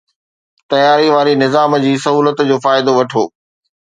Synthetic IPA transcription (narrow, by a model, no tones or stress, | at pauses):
t̪ɐjaːɾiʋaːɾinɪzaːmd͡ʑiːsɐɦuːlət̪d͡ʑoːfaːɪd̪oʋɐʈʰoː